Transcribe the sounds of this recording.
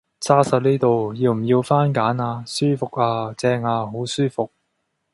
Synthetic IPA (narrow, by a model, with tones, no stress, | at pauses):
t͡saː˥sɐ˨˩t̚ni˥t̪o˨wjiː˧wm̩˨˩jiː˧wfaː˥nkaː˨˥naː˧syː˥fʊ˨k̚aː˧t͡sɛː˧ŋaː˧ɦo˨˥wsyː˥fʊ˨k̚